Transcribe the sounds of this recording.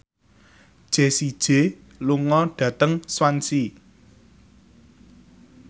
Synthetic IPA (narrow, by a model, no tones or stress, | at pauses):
d̥ʒ̥e̤sid̥ʒ̥e̤ | luŋɔɖ̥ä̤t̪əŋswansi